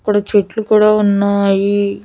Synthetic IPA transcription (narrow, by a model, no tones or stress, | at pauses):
kːuɽɐt͡ʃeʈlukuːɽaːunːɐji